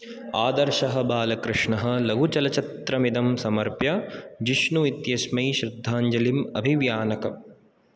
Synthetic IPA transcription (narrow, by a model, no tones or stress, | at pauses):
aːd̪ɐɾʃɐɦɐbaːlɐkɾɪʂɳɐɦɐ̆lɐɡʱut͡ʃɐlɐt͡ʃɐt̪ɾɐmid̪ɐmsɐmɐɾpjɐd͡ʒiʃnuit̪jɐsmɐjʃɾɪd̪ʱːaːɲd͡ʒɐlimɐ̰bʱiʋjaːnɐkɐ̰